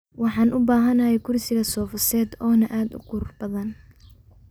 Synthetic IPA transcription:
wɑħɑːnʔʊbaːɦɐnɐjɛkʰʊrsɪɣɐsɔːfɐsɛːd̪ɔːnɐʔaːd̪ʊ̰qʊrrbɐðɐn

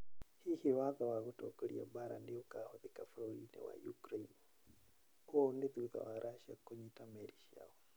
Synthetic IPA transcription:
hihiwaðawaɣutɔ̰kɔlḭa̰baɾa̰ndiukahɔðikaflɔɾinɛ̰wa̰jukɾain | ondeðuða̰waɾʔaʃiakoɲitamɛɾiʃia̰wɔ

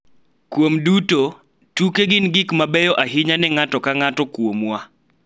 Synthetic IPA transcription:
kwomduto | tukeɡɪnɡɪkmabɛjɔʔaɦɪɲanɛŋatɔkaŋatɔkwomwa

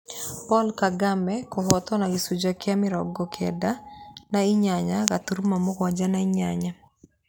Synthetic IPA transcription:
pɔlkaɡamɛkɔɦɔt̪ɔnaɡisud͡ʒakɪamɪɾɔɡɔkʰɛdanaiɲaɲakat̪uɾmamʊkwad͡ʒanaiɲaɲa

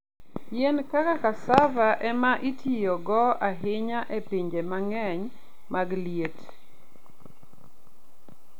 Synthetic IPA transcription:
jɛnkakakasavaʔɛmaʔitʰijoɡɔaɦɪɲaʔepiɲd͡ʒemaŋɛɲ | maɡljet

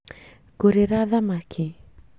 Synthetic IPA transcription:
ɡ̥uɾeɾaðamakʰi

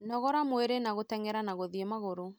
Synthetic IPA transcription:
nɔɣɔɾamweɾenaɣotɛŋɛɾanaɣoðiemaɣoɾo

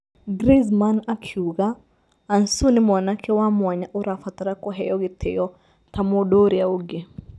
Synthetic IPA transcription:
ɡɾizmanakʰjuɡaː | nsunɪmnakʰɛwamwaɲaʔuɾafat̪aɾakɔɦɛjɔɡɪt̪ʰɛjɔ | t̪amodoɾiauɡe

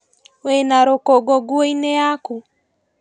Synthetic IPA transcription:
wɛnaɾokɔɡɔɡuɔinɛaku

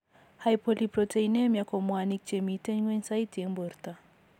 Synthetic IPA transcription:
hajpɔlipɾɔtʰeinemjakɔmwanik̚t͡ʃɛmitɛɲɡwensajtɛmbɔɾta

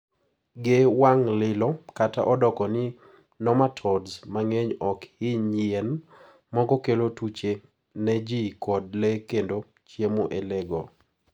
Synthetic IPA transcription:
ɡewaŋlɪlɔkata̰ʔɔdɔkɔnɪ | nɔmatʰɔdzmaŋeɲɔkɪɲɪɛn | mɔɡɔkelotut͡ʃe | nɛd͡ʒikɔd̚lɛkendo | t͡ʃjemoʔelɛɡɔ

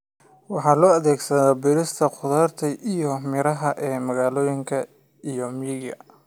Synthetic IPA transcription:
wɑħɑːlɔːɐðɛːɡsɐðɔːbɪɾɪst̪ʰɐqʊðaːrt̪ʰɛʔijɔmɪɾɐɦɐʔɛːmɐɣaːlɔːjɪŋkʰɐ | ijɔmiːlɡɐ̰

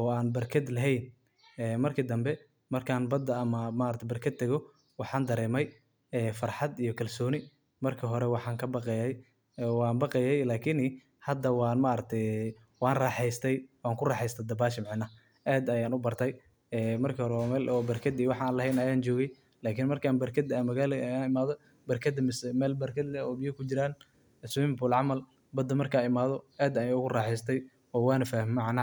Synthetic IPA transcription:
ɔːaːnbɐrkʰɐd̪lɐɦɛjn | ɛːmɐrkʰɪd̪ɐmbɛ | mɐrkʰaːnbɐd̪ɐːmɐmaːɾɐt̪ʰɛbɐrkʰɐd̪̚t̪ʰɛɣɔ | wɑħɑːnd̪ɐɾɛːmɛj | ɛːfɐrħɑd̪ijɞkʰɐlsɔːnɪ | mɐrkʰɪɦɔɾɛwɑħɑːŋkʰɐbɑqɛjɛj | wɑːnbɑqɛjɛjlaːkʰɪni | hɐd̪ɐwɑːnmaːɾɐk̚t̪ʰɛj | wɑːnrɑːħɛjst̪ʰɛjwɑːŋkʰʊrɑːħɛjst̪ʰɐd̪ɐbaːʃɪmɪʕnɐ | ʔɛːd̪ɐjaːnʊbɐrt̪ʰɛj | ɛːmɐrkʰiːhɔɾɛwaːmɛːlɔːbɐrkʰɐd̪iːwɑħaːnlɐɦɛjnɐjaːnt͡ʃɔːɣɛj | laːkʰɪnmɐrkʰaːnbɐrkʰɐd̪aːnmɐɣaːlɛɐjaːnɪmaːðɔ | bɐrkʰɐd̪ɐmɪsmɛːlbɐrkʰɐd̪lɛɔːbɪjɐkʰʊt͡ʃɪɾaːn | swɪmbʊːlʕɑmɐl | bɐd̪ɐmɐrkʰaɪmaːðɔɛːd̪ɐjaːʊɣʊrɑːħɛjst̪ʰɛj | ɔːwɑːnɐfaːhmɪmɑʕna

